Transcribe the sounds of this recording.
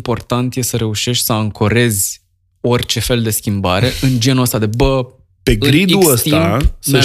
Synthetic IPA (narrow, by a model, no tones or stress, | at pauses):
po̞rt̪ant̪je̞səɾe̞uʃe̞ʃt̪ʲsəaŋkʰoɾe̞zʲ | o̞rʲt͡ʃe̞fe̞ld̪e̞skʲimbaɾe̞ʔɨnd͡ʒe̞nuəst̪ad̪e̞bə | pe̞ɡɡɾid̪uəst̪iamsə